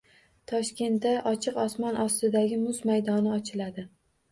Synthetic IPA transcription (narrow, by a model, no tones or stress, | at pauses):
t̪ʰɒʃkʲe̞nt̪ːaʔɒt͡ʃʰɨqɒsmɒnʔɒst̪ɪd̪aɡʲɪmʊzmajd̪ɒnɪɒt͡ʃʰɪlad̪ɪ